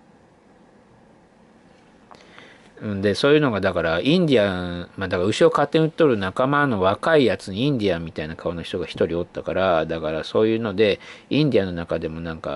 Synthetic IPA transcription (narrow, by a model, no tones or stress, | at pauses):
ɯ̟̃ɴd̪e̞so̞ːjɯ̟ːno̞ɡad̪akaɾaĩnd̪ʲiamad̪akaaɯ̟ɕio̞kat̪ːeɲɯ̟t̪ːoɾɯ̟nakamano̞βakaijat͡sɨɲ̟iĩnd̪ʲiamʲit̪ainakʰao̞no̞çi̥t̪o̞ɡaçi̥t̪o̞ɾʲio̞t̪ːakaɾad̪akaɾaso̞ːjɯ̟ːno̞d̪e̞ĩnd̪iano̞nakad̪e̞mo̞nãŋka̰